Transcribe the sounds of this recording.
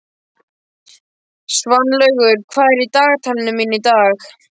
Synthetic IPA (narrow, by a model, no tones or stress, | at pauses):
svanːlœɣʏɾ̥kʰvaːðɛɾit̪aːɣt̪ʰalɪnʏminit̪aːx